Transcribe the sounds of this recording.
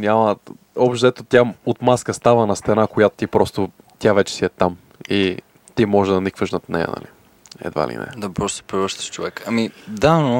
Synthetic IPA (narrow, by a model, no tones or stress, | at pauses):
nʲamɐ | ɔpʃt̪zɛt̪ot̪ʲjaot̪maskəst̪avɐnɐst̪ɛnakojat̪o̥t̪ipɾɔst̪o | t̪ʲjavɛt͡ʃɛ̥siɛt̪am | i | t̪imɔʒɛd̪ɐnnikvəʃnɐt̪nɛjə̰nɐ̰lḭ | ɛ̰d̪va̰lḭnɛ̰d̪apɾɔst̪o̥pɾɛvəɾʃt̪ə̥ʃt͡ʃovɛkɐmid̪ano